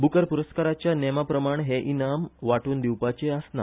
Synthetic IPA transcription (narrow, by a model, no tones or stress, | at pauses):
bukəɾpuɾəskaɾat͡ɕjanɛmapɾəmaɳɦeʔinamʋaʈuːnd̪iwpat͡ɕeasna̰